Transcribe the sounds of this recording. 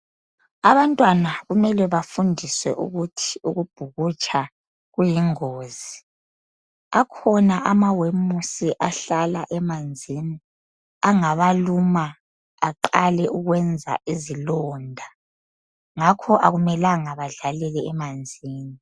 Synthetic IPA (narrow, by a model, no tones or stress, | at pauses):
aβantʼwanaɣumɛlɛβafundʱiswɛ̰ʔṵɣutʰiuɣub̥ʱuɣut͡ʃʼa | ɣujiŋoːzi | akʰɔnaʔamawemusiʔaɬalaʔɛmand͡zʱini | aŋaβalumaː | ǃalɛʔuɣwɛnd͡zʱa̰izilɔːndʱa | ŋakʰɔʔaɣumɛlaŋaβaɮalɛlɛɛmand͡zʱiːni